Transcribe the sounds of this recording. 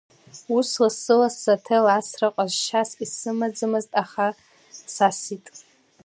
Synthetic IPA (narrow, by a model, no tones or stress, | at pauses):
uslasɨlasatʰelasrɨqʼazʃasisɨmad͡zɨmɨztʼaχa | sasitʼ